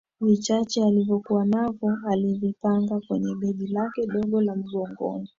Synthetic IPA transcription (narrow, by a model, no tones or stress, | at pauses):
vit͡ʃat͡ʃɛalivjɔkuwanavɔalivipaŋɡakwɛɲɛɓɛʄilakɛɗɔɠɔlam̩ɡɔŋɡɔ̰mu